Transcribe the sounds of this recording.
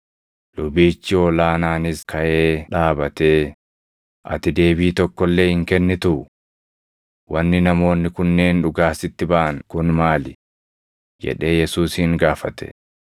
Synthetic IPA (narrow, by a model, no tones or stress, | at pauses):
lʊbiːt͡ʃːɪɔːlaːnaːnɪskɐʔeːᶑaːbɐt̪eː | ʔɐ̰t̪ɪd̪e̞ːbiːt̪ɔkːɔlːe̞ːhɪŋkɛnːɛt̪ʊ | wɐnːɪnɐmo̞ːnːɪkʊnːe̞ːnᶑʊɡaːsɪt̪ːɪbaʔɐŋkʊnmaːlɪ | d͡ʒɛ̰ᶑe̞ːjɛsuːshɪŋɡaːfɐt̪ɛ̥̰